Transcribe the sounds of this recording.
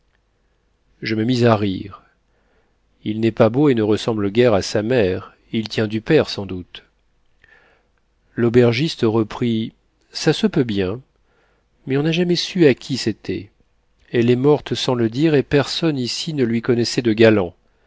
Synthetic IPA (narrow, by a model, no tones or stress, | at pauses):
ʒəməmizaʁiʁ | ilnɛpaboenəʁəsɑ̃bləɡʲɛʁasamɛʁ | ilt̪jɛ̃d̪ypɛʁsɑ̃d̪ut̪ | lobɛʁʒist̪əʁəpχi | sasəpøbjɛ̃ | mɛɔ̃naʒamɛsyakʲʰiset̪ʰɛ̰ | ɛlɛmɔʁt̪sɑ̃ləd̪iʁepɛʁsɔnisinəlɥikɔnɛsɛd̪əɡalɑ̃